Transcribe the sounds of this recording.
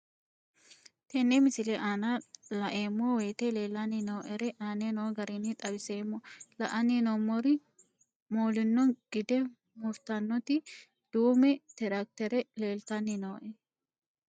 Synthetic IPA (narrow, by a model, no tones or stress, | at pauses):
t̪ɛnːemɪsɪlɛʔaːnalɐʔeːmːɔweːt̪eleːlːɐnɪnoːʔɛɾɛʔaːnenoːɡɐɾinːɪt̪ʼɐbɪse̞ːmːɔlɐʔɐninɔmːɔɾɪ | moːlɪnːɔŋɡ̥ɪd̪ɛ | mʊft̪ɐnːɔt̪ɪ | d̪̥uːmɛt̪ɛɾɐk̚t̪ɛɾɛle̞ːlt̪ɐnːɪnoːʔɛ